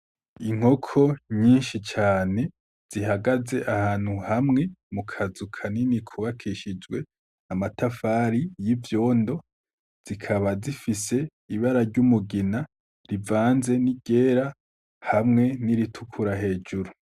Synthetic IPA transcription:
iŋ̥ho̞kʰo̞ɲiːnʃit͡ʃaːne̞ | z̥iɦaɡaze̞ʔahaːn̥huhamŋe̞mukʰazukʰaninikʰuβakʰiʃid͡ʒwe̞ | namatafaɾijivjo̞ːndo̞ | z̥ikʰaβazifise̞ | iβaɾaɾɟumuɡina | ɾivaːnze̞niɟe̞ːɾa | hamŋe̞niɾitʰukʰuɾaɦe̞ːd͡ʒuɾu

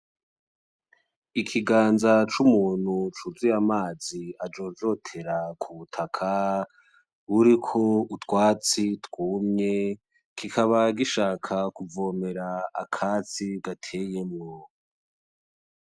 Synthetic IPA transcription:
ikʰiɡaːnzat͡ʃumuːn̥hut͡ʃuzijamaːziad͡ʒo̞ːd͡ʒo̞tʰe̞ɾakʰuβutʰakʰa | uɾikʰo̞utwaːt͡sitkuːmɲe̞ | kikʰaβaɡiʃaːkʰakuvo̞ːme̞ɾa̰ːkʰaːt͡siɡatʰe̞jemŋo

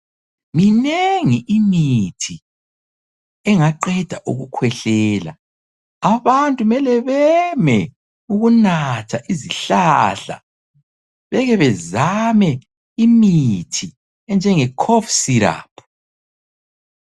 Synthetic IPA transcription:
mineŋiʔimitʰi | ɛŋaǃɛd̥ʱaʔuɣukʰwɛɬɛːla̰ | aβantʼumɛlɛβɛmɛ | uɣunatʰaʔiziɬaɬa̰ | βɛɣɛβɛzamɛ | imitʰi | ɛnd͡ʒʱɛŋɛkʰɔfsiɾa̰ːpʼʰu̥

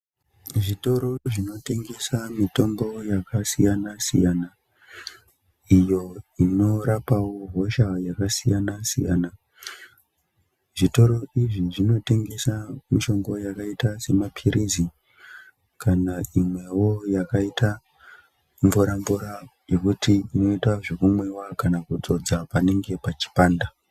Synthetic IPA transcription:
ʐito̞ɾo̞ʐino̞te̞ŋɡe̞samito̞mbo̞jakasijanasḭjana | ijo̞ino̞ɾapawo̞ɦo̞ʃajakasijanasḭja̰na | ʐito̞ɾo̞iʐiʐino̞te̞ŋɡe̞samiʃo̞ŋɡo̞jakaitase̞mapʰiɾizi | kanaimwe̞wo̞jakaita | mvuɾambuɾajo̞kutiino̞itwaʐekumwe̞wakanakud͡zo̞d͡zapane̞ŋɡe̞pat͡ʃi̥paːnda

